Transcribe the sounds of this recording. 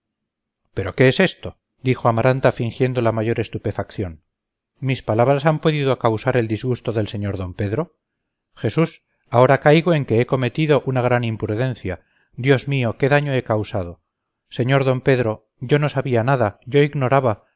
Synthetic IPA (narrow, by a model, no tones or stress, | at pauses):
pe̞ɾo̞ke̞ese̞st̪o̞ | d̪ixoamaɾʔant̪afiŋxje̞nd̪o̞lamaʝo̞ɾe̞st̪upe̞fakθjo̞n | mispalaβ̞ɾasampo̞ðiðoakawsaɾe̞ld̪izɣust̪o̞ðe̞lse̞ɲo̞ɾðo̞mpe̞ðɾo̞ | xe̞sus | ao̞ɾakajɣoe̞ŋke̞eko̞me̞t̪iðo̞ʔunaɣ̞ɾanimpɾuðẽ̞n̟θja | d̪jo̞zmio̞ke̞ðaɲo̞e̞kawsaðo̞ | se̞ɲo̞ɾðo̞mpe̞ðɾo̞ | ʝo̞no̞saβianaðaʝo̞iɣno̞ɾaβa